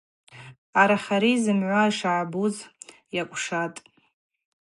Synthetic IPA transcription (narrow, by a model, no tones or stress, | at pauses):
aɾaχaɾizɨmʕʷaiʂaʕabuz | jakʷʼʂatʼ